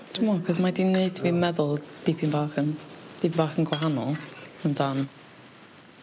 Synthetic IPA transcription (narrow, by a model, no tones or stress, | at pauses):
d̥əmɔkʰɔsmadineɨd̚tʰvimɛðʊlˠd̥ipʰimbaːχənd̥iːpʰimbaːχənɡwaɦanɔ̰lˠəndan